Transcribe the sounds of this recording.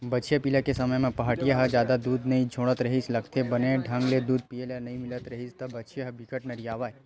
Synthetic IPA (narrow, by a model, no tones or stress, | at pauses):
bɐtːt͡ʃʰjapilakesɐməjmẽpɐɦaʈijaɦɐd͡ʒjaːd̪ad̪uːd̪nɐɦĩd͡ʒʱoːɽ̃ət̪ɾɐɦislɐɡt̪ʰebɐnẽɖʱɐ̃ŋɡled̪uːd̪̚pielenɐɦĩmɪlət̪ɾɐɦist̪ɐbɐːt͡ʃʰjaɦɐbɪkəʈnɐɾijaːʋaːj